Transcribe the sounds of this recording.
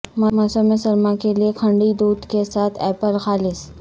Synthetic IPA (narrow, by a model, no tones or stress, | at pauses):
mɐmɐsəmẽsɐɾmakeliekʰɐ̃ɳɖid̪uːd̪kesaːt̪ʰɛːpəlxaːlɪs